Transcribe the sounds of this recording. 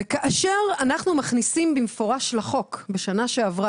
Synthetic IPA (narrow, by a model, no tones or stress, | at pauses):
kaʔaʃeʁanaχnumaχnisimbimfo̞ʁaʃlaχo̞kbeʃanaʃe̞avʁa